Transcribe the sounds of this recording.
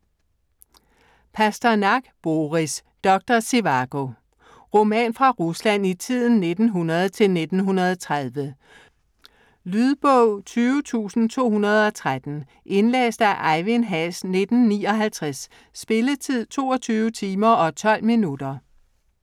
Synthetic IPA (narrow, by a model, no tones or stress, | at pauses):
pʰæsd̥ɐnɑ̈ɡ̥b̥o̝ːʁis | d̥ɒ̽ɡ̥̚d̥ɐse̝ʋɑɡ̥o̝ | ʁo̝mɛ̰ːnfʁɑ̈ʁuslæn̰it͡sʰið̰ˠn̩ːe̝d̥n̩ɦunɐð̞ˠt͡sʰe̝lne̝d̥n̩ɦunɐð̞̩ˠt͡sʰʁaðˠʋə | lyðˠb̥ɔʊ̰t͡sʰyːʊət͡sʰṵːsn̩t͡sʰo̝̰ːhunɐð̞ˠɒ̽t͡sʰʁad̥n̩ | ʔe̝nlḛːsd̥æʔɑɪʋenɦæsne̝d̥n̩ːiːɒ̽ɦælt͡sʰʁasː | b̥e̝lət͡sʰið̞̰ˠt͡sʰo̝̰ːɒ̽t͡sʰyːʊət͡sʰiːmɐɒ̽t͡sʰɒ̽l̰minud̥ɐ